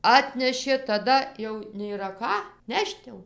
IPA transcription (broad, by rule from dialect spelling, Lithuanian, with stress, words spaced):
ˈɑːtʲnʲɛʃʲeː tɐˈdɐ jɛʊ nʲeːˈrɐ ˈkɑː ˈnʲɛʃt jɛʊ